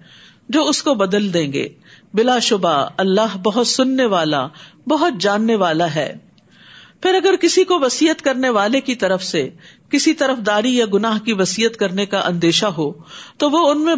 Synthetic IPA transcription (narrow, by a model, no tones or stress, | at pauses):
d͡ʒoːʊskobɐd̪əld̪ẽːŋɡḛːbɪlaʃʊbaɐlːaːɦbɐɦʊt̪sʊnːeʋaːla̰bɐɦʊt̪̚d͡ʒaːnːeʋaːlaɦɛ̰ː | pʰɪɾɐɡəɾkɪsikoʋɐsiːət̪kɐɾneʋaːlekit̪ɐɾəfsekɪsit̪ɐɾəfd̪aːɾijaɡʊnaːɦkiʋɐsiːət̪kɐɾnekaʔɐ̃nd̪eːʃaɦoːt̪oʋoʊnmẽ